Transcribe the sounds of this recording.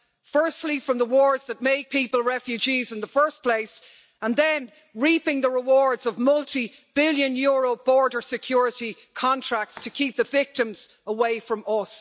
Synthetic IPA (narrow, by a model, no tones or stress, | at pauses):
fɜ˞stˡlifɹʌ̃mðəwɔːɹzðət̚meɪɡ̚pʰipəlˠɹɛfjʉd͡ʒizɪ̃nðəfɜ˞spʰl̥eɪs | ə̃nðə̃n | ɹipɪ̃ŋðəɹɪwɔɹdzʌvmʌlˠti | b̥ɪljə̃njʊːɹoʊbɔɹdə˞sɨkʰj̥ɔɹɪɾi | kʰɑ̃ntʰɹ̥ak̚tstʰəkʰip̚ðəvɪk̚tə̃mz̥ | əweɪfɹʌ̃mʌs